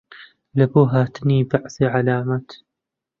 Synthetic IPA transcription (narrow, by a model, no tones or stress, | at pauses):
labuːɦaːt̪niːbaʕθiʕalaːmat̪